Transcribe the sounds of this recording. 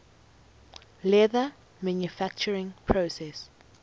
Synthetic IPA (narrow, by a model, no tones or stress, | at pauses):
lɛðə | mãnjufæk̚t͡ʃəɹɪ̃ŋpʰɹosɛs